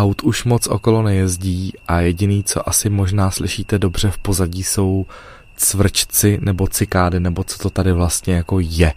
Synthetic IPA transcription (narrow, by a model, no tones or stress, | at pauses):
ʔawt̪uʃmo̞t͡sʔo̞̰ko̞lo̞nɛjɛzɟiːʔajɛɟɪniːt͡so̞̰ʔasɪmo̞ʒnaːslɪʃiːt̪ɛdo̞br̝ɛfpo̞zaɟiːso̞w | t͡svr̩t͡ʃt͡sɪnɛbo̞t͡sɪkaːdɪnɛbo̞t͡sot̪o̞t̪adɪvlast̪ɲɛjako̞jɛ